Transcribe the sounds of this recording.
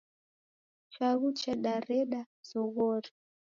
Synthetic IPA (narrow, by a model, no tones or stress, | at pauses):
t͡ʃwaɣut͡ʃaɗaɾɛɗa | zɔɣɔɾi